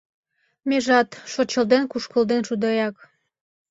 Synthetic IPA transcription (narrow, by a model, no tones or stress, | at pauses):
meʒɑt̪ʃot͡ɕəld̪enkuʃkə̆ld̪enʃud̪ɑjɑk